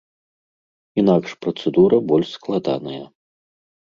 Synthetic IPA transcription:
inakʂpɾɐt̪sɛd̪uɾɐbɔlʲʂsklˠad̪a̰nɐjɐ

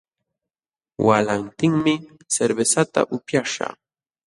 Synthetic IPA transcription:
wʔalant̪ɪŋmɪ | seɾbesat̪a̰ʔʊpjaʂa̰

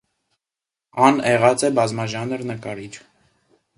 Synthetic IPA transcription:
ɑnɛʁɑt͡sɛbɑzmɑʒɑnəɾnəkɑɾit͡ʃ

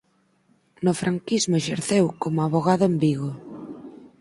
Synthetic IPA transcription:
nʊfɾʔaŋkizmʊeʃeɾθewkomʊaβoɣaðʊembiɣo

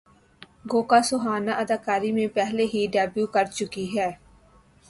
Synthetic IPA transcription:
ɡoːkaːsoɦaːnaʔəd̪aːkaːɾimẽpɛɦleɦiɖɛːbjuːkəɾt͡ʃʊkiɦɛː

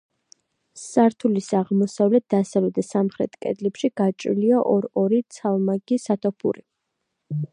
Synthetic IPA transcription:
saɾt̪ʰulisaʁmɔsavlɛt̪̚d̪asavlɛd̪asamχɾɛ̰t̪kʼɛ̰d̪lɛpʃiɡ̥at͡ʃʼḭliaʔɔɾɔɾit̪sʰalˠmaɡisat̪ʰɔpʰṵɾi

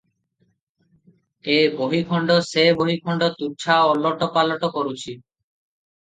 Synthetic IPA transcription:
eboɦikʰɔɳɖoseboɦikʰɔɳɖot̪ut͡ɕʰaɔlːɔʈopalɔʈokɔɾut͡ɕʰi

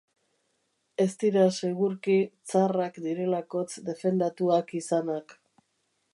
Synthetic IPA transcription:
e̞st̪iɾase̞ɣuɾkit͡sarakd̪iɾe̞lako̞t͡sd̪e̞fe̞nd̪at̪uakisanak

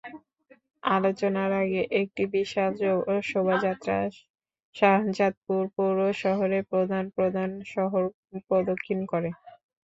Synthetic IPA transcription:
alot͡ɕonaɾaɡeʔek̚ʈibiʃad͡ʑoʃobʱad͡ʑat̪ːɾa | ʃat͡ɕat̪̚puɾpuɾoʃɔɦoɾepɾod̪ʱanpɾod̪ʱanʃɔɦoɾ | pɾod̪okʰːinkɔɾe

